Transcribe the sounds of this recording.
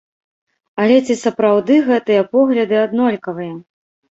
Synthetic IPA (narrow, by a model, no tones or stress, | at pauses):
ɐlʲɛt͡sʲisɐpɾawd̪ɨɣɛt̪ɨjɐpɔɣlʲɐd̪ɨad̪nɔlʲkɐvɨjɐ